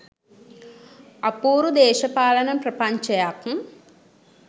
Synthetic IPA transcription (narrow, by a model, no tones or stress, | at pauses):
ɐpuːɾud̪eːʃɐpaːlɐnɐmprɐpɐɲt͡ʃɐjakm